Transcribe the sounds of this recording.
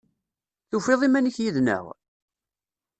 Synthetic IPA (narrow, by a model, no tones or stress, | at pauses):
θufeðˤimænəçjiðnə̰ʁ